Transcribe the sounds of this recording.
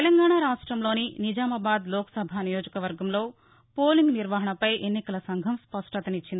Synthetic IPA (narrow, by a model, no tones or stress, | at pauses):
t̪elɐŋɡaːɳaːɾaːʂʈɾɐmlo̞ːninid͡ʒaːmɐbaːd̪loːkɐ̥sɐbʱanijoːd͡ʒɐkɐʋɐɾɡɐmlo̞ː | poːliŋɡniɾʋaɦɐɳɐpɐjʔenːikɐlɐsɐŋɡʱɐmspɐʂʈɐt̪ɐnit͡ʃːind̪i